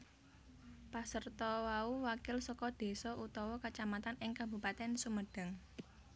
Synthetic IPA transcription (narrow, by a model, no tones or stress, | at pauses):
pasərt̪ɔwauwakɪlsɔkɔd̪̥e̤sɔʔut̪ɔwɔkət͡ʃamat̪anɪŋkabṳpat̪ɛnsuməɖ̥a̤ŋ